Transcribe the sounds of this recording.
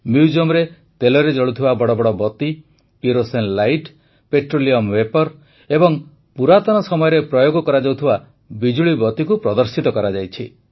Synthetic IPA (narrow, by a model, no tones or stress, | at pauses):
mjud͡ʒomɾe | t̪elɔɾed͡ʒɔɭut̪ʰibabɔɽɔbɔɽɔbɔt̪i | piɾosenlajʈ | peʈɾoliɔmwepɔɾ | ebɔŋ | puɾat̪ɔnɔsɔmɔjɔɾepɾɔjoɡɔkɔɾad͡ʒawt̪ʰiba | bid͡ʒuɭibɔt̪ikupɾɔd̪ɔɾsit̪ɔkɔɾad͡ʒajt͡ʃʰi